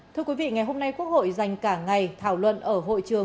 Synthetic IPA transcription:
t̪ʰɨ˧əkwi˨˦vḭ˧˨ŋa˨˩jɦo˧mna˧jku˦˥ək̚ho̰˧˨jza˨˩jŋ̟kaː˧˩ŋa˨˩jt̪ʰaː˧˩wlwə̰˧˨nʔəː˧˩ɦo̰˧˨jt͡ɕɨ˨˩ə

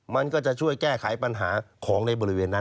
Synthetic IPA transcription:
ma˧nkɔː˥˩t͡ɕa˨˩ʔt͡ɕʰu˥˩əjkɛː˥˩kʰa˩˦jpa˧nɦa̰ː˩˦kʰɔː˩˦ŋna˧jbɔː˧ɾi˦˥weː˧nːa˦˥˩

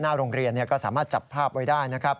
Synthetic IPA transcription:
naː˥˩ɾoː˧ŋɾi˧ənːi˥˩ɐkɔː˥˩saː˩˦maː˥˩t̪̚t͡ɕa̰˨˩pʰːaː˥˩p̚wa˥˩daː˥˩jna˦˥kʰa˦˥p̚

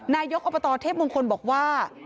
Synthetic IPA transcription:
naː˧jo˦˥k̚ʔo˨˩pːa˧t̪ɔː˧t̪ʰeː˥˩p̚mo˧ŋkʰo˧nbɔː˨˩k̚waː˥˩

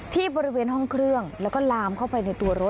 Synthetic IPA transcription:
t̪ʰiː˥˩bɔː˧ɾi˦˥weː˧nɦɔ˥˩ŋkʰɾɯ˥˩əŋlɛː˦˥wkɔː˥˩laː˧mkʰa˥˩wpa˧jna˧jt̪u˧ɐɾo˦˥t̪̚

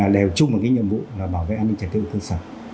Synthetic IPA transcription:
aː˨˩ɗe˨˩wt͡ɕʊ˧ŋ͡mmo˨˩t̚kaː˨˦ɲḭ˧˨əmvṵ˧˨laː˨˩ɓaː˧˩wvḛ˧˨ʔaː˧nːi˧ŋt͡ɕə˨˩t̚t̪ɨ̰˧˨k̪ɨ˧saː˧˩n̚

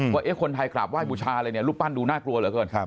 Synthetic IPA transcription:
waː˧˥˩ʔeː˦˥˩kʰo˧nt̪ʰa˧jkla̰ː˨˩p̚waː˥˩j̚buː˧t͡ɕʰaː˧lɤː˧jni˥˩ɐluː˥˩k̚paː˥˩nduː˧naː˥˩klu˧ɐlɯ˨˦kɤː˧nʰ˦˧

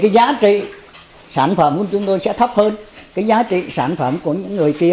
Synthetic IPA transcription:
kaː˨˦jzaː˨˦t͡ɕḭ˧˨ | saː˧˩nfə˧˩mku˧˩nt͡ɕʊ˧˦ŋ͡mt̪o˧jsɛ̰˧˥t̪ʰə˦˥p̚həː˧nkaː˨˦jzaː˨˦t͡ɕḭ˧˨saː˧˩nfə˧˩mku˧˩əɲɨ̰˧˥ŋːɨ˨˩əjki˧ə

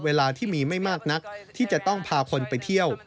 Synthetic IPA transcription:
weː˧laː˧t̪ʰiː˥˩miː˧ma˥˩jmaː˥˩k̚na˦˥k̚t̪ʰiː˥˩t͡ɕa˨˩t̪ɔ˥˩ŋpʰaː˧kʰo˧npa˧jt̪ʰi˥˩əw

